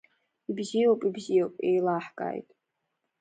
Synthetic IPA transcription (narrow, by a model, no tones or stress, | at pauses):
ibzijowpʼibzijowpʼḛjlaħkʼa̰ːjtʼ